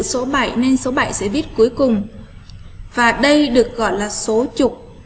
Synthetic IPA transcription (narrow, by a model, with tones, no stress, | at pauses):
so˨˦ɓa̰˧˩jne˧nso˨˦ɓa˧˩˨jsɛ̰˧˥ɓi˦˥ət̚ku˨˦jkʊ˨˩ŋ͡m | vaː˨˩ɗə˧jɗɨ˨˩ək̚ɣɔ̰˧˨jlaː˨˩so˨˦t͡ɕʊ˨˩k͡p̚